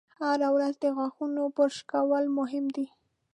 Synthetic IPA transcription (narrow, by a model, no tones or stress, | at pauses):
haɾawɾazd̪əɣwaxunopəʃkawəlmʊɦɪmd̪i